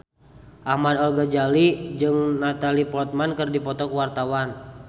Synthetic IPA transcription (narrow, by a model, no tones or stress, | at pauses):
ʔahmad̪alɡad͡ʒalid͡ʒɨŋnat̪alipɔt̪̚mankɨrdipɔt̪ɔkuwart̪awan